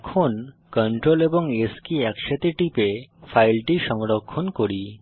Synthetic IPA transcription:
kʰon | kəɳʈɾoleboŋeskiɛkʃat̪iʈipefʰajlʈiʃɔŋɾokʰːonkoɽi

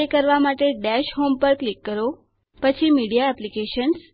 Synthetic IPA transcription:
ekəɾʋamaʈeɖɛʃɦompəɾklikːəɾo | pət͡ʃʰimiɽijaɛplikeʃəns

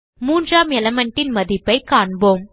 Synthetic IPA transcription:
muːndraːmɛlɐmɐɳʈːɪnmɐðɪpːɐɪkaːɳboːm

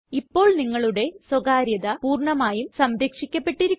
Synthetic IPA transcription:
ipːo̞ːɭniŋːɐɭuɽe̞swɐɡaːɾjɐðɐpuːrɳɐmaːjumsɐmɾekʂikʲːɐpːe̞ʈːiɾukː

